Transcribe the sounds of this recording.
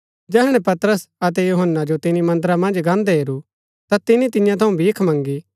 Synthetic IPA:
d͡ʒɛːɦɽ̃ɛ̃pɐt̪ɾəsɐt̪̬ɛjuɦənːad͡ʒot̪ɪnimɐ̃nd̪ɾamɐ̃nd͡ʒɡãːnd̪ɛɦeːɾu | t̪at̪ɪnit̪ɪjãt̪ʰɐũbʱiːkʰmɐ̃ŋɡi

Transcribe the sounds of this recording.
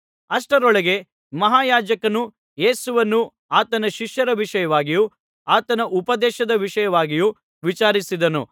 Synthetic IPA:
ɐʂʈɐɾɔɭɐɡe̞ | mɐɦaːjaːd͡ʒɐkɐnu | je̞ːsuʋɐnːu | aːt̪ɐnɐʃiʂjɐɾɐʋiʂɐjɐʋaːɡiju | aːt̪ɐnɐʔupɐd̪ɛːʃɐd̪ɐʋiʃɐjɐʋaːɡiju | ʋit͡ʃaːɾisid̪ɐnṵ

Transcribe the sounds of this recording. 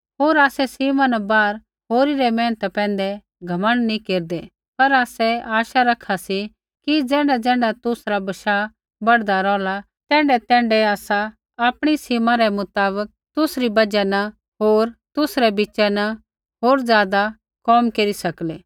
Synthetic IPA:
ɦoːɾaːsɛsiːmãnɛbaːɾ | ɦoːɾiɾɛmɛ̃ːnt̪ɛpɛ̃ːn̆d̪ɛ | ɡʱɐmə̃ɳɖnĩkeːɾd̪ɛ | pɐɾaːsɛaːʃaɾɐkʰːasi | kid͡zɛ̃ːɳɖad͡zɛ̃ːɳɖat̪ʊsɾabɐʃa | bɐɽd̪aɾɔːla | t̪ɛ̃ːɳɖɛt̪ɛ̃ːɳɖɛaːsa | aːpɽ̃isiːmãɾɛmʊt̪aːbək̚t̪ʊsɾibɐd͡ʒɛnɐ | ɦoːɾt̪ʊsɾɛbit͡ʃɛnɐ | ɦoːɾd͡zjaːd̪a | kɔːmkeːɾisɐkleː

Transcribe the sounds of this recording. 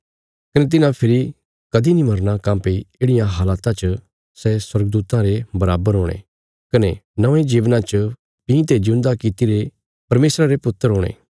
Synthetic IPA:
kɐnet̪̬ɪnãpʰɪɾi | kɐd̪inĩmɐɾnakãːmpeieːɽɪjãɦaːlaːt̪ãt͡ʃə | sɛswɐɾɡd̪uːt̪ãɾebɐɾaːbəɾɦoːɽ̃ḛ | kɐnenɐʋẽd͡ʒiːʋnãt͡ʃə | pĩt̪ed͡ʒʊ̃nd̪akit̪iɾe | pɐɾmeːsɾaɾepʊt̪ːəɾɦoːɽ̃ḛ̃ː

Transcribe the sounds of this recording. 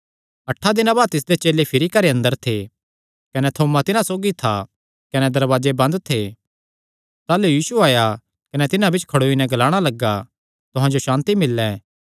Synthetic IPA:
ɐʈʰːad̪ɪnãbaːd̪̚t̪ɪs̬d̪et͡ʃeːlepʰɪɾikɐɾeɐ̃nd̪əɾt̪ʰe | kɐnɛt̪ʰoːmat̪ɪnãsoːɡit̪ʰa | kɐnɛd̪ɐɾʋaːd͡ʒebɐ̃nd̪t̪ʰeː | t̪aːlujiːsuaːja | kɐnɛt̪ɪnãbɪt͡ʃʰkʰɐɽoːinɛ̃ɡɐlaːɽ̃alɐɡːa | t̪ʊɦãd͡ʒoʃãːnt̪imɪlːɛː

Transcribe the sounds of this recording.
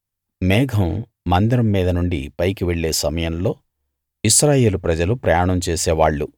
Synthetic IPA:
mɛːɡʱɐmː | ɐnd̪ɾɐmːiːd̪ɐnuɳɖḭpɐjkiʋe̞ɭːe̞ːsɐmɐjɐmlo̞ː | iʃɾaːje̞ːlupɾɐd͡ʒɐlupɾɐjaːɳɐmt͡ʃeːsɛːʋaːɭːu

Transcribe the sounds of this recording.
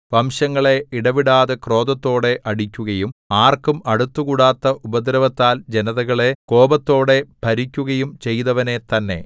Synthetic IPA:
ʋɐmɕɐŋːɐɭe̞iɽɐʋiɽaːðekro̞ːd̪ɐt̪ːo̞ːɽe̞ʔɐɽikʲːuɣɐjumaːrkumɐɽut̪ːukuɽaːt̪ːɐʔubɐd̪ɾɐʋɐt̪ːaːld͡ʑenɐðɐɣɐɭe̞ko̞ːbɐt̪ːo̞ːɽe̞b̥ʱɐɾikʲːuɣɐjumt͡ɕe̞jðɐʋɐne̞t̪ɐnːe̞̰

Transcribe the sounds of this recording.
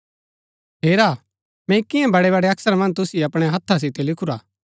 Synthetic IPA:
ɦeːɾaː | mɛ̃ɪkɪjɛ̃bɐɽɛbaːɽeɐksəɾmɐ̃nt̪ʊsiɐpɽ̃eɦɐt̪ʰːas̬ɪt̪elɪkʰuɾaː

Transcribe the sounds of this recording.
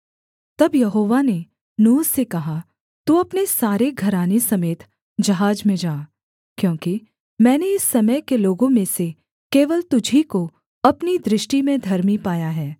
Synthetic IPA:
t̪ɐbjɐɦoːʋane | nuːzsekɐɦa | t̪uɐpnesaːɾeɡʱɐɾaːnesɐmeːt̪ʰ | d͡ʒɐɦaːd͡ʒmẽd͡ʒaː | kjõːki | mɛ̃ːneɪsːɐməjkeloːɡõmẽse | keːʋəlt̪ʊd͡ʒʱiko | ɐpnid̪ɾɪʃʈimẽd̪ʱɐɾmipaːjaɦɛː

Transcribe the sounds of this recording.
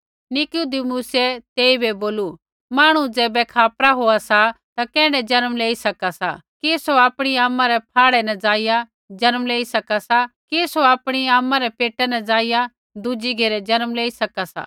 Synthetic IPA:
nɪkud̪imuːsɛt̪eːibeboːlu | maːɽ̃ũd͡zɛːbɛkʰaːpɾaɦoːasa | t̪akɛ̃ːɽɛd͡ʒɐnmleːisɐkasa̰kesoaːpɽ̃iaːmːãɾɛp̚ʰaːɽɛnɛd͡zaːɪja | d͡ʒɐnmleːisɐkasakesoaːpɽ̃iaːmːãɾɛpeːʈːɛnɛd͡zaːɪja | d̪ud͡ʒiɡʱeːɾɛd͡ʒɐnmleːisɐkasa̰

